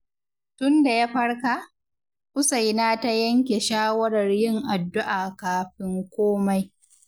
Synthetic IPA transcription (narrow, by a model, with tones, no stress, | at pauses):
tʊ˦nda˨jaː˦ɸɐ˦ɽka˨ʔ | kʊ˦sa˨jnaː˦ta˦jɐ˦ŋkʲe˨ʃaː˦wɐ˦ɽɐ˨rjɪ˦˨ŋʔa˨dːʊ˦ʔaː˨kaː˨ɸɪ˦ŋkʷoː˦ma˦j